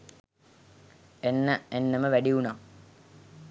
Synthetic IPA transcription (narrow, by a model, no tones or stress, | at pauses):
enːəenːəməʋæɖiuna